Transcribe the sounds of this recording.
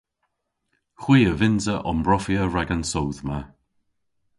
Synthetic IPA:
xw̥iːəvɪnzəʔɔmbɹɔfiəɹaɡansowðma

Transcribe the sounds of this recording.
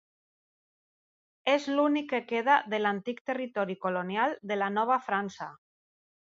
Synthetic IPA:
ezlunikːekeðaðelant̪ikt̪erit̪ɔɾikolonjald̪elanɔβ̞afɾansa

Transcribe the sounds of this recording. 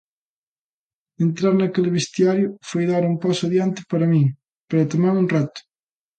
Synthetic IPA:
ent̪ɾaɾnɐkelβest̪jaɾjʊfojðaɾumpasaðjant̪ɪ̥paɾɐmĩŋ | peɾat̪omaɾunrat̪ʊ̥

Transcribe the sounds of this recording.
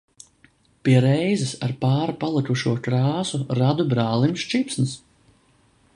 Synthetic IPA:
piɛɾɛjzɪsaɾpaːɾapalˠikuʃuɔkɾɑːsuɾad̪ubɾaːlˠimʃt͡ʃipsnɨs

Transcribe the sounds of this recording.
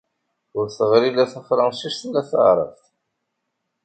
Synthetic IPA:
ʊɾθəʁɾilæθəfɾˤɑnʃiʃθəlːæθə̰ʁɾˤə̰fθ

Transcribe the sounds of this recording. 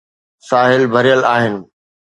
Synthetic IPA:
saːɦɪlbʱɐɾijəlaːɦɪnɪ̆

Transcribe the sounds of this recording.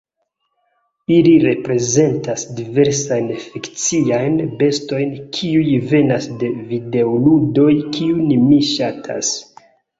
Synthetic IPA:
iliɾe̞pɾe̞ze̞ntasdive̞ɾsajnfikt͡siajnbe̞sto̞jnkʰiujve̞nasde̞vide̞oludo̞jkiunmiʃatʰa̰s

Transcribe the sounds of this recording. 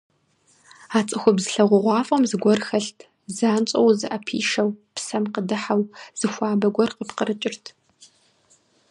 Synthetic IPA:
aːt͡sʼɨxʷʊbzɨɬɐʁʷʊʁʷɑːfʼɐmzɨɡʷɔrxɐɬtʰ | zaːnt͡ʃʼɐwzɨʔɐpʰḭːʃɐwpsɐmqədɨħawz̥ɨxʷaːbɐɡʷɔrqəpqəɾɨt͡ʃʼɪrtʰ

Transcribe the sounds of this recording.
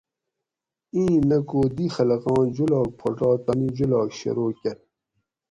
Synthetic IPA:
ĩːnɐkoːd̪ixɐlɐɣɑ̃ːd͡ʑulɑːk̚pʰoʈɑːt̪ɐnid͡ʑulɑːkɕḛɾoːkɐɾ

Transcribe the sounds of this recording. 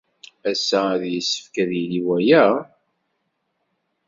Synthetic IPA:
æsːææðjəsːə̥fkæðjiliwæjæ

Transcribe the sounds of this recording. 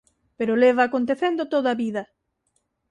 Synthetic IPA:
peɾoleβaːkont̪eθend̪ot̪oðaβiðɐ

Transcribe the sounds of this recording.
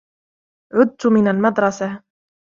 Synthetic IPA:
ʕʊd̪̚t̪ʊmɪnalmad̪ɾˤɑsa

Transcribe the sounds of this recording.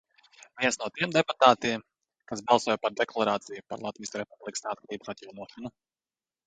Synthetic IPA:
vʲiɛnsnuɔt̪iɛmd̪ɛput̪aːt̪iɛm | kasbɑlˠsuɔjpaɾd̪ɛklˠaɾaːt̪sijupa̰ɾlˠat̪viːjskɾɛpublˠiksaːt̪̚kɾʲiːbsat̪jawnuɔʃɔnu

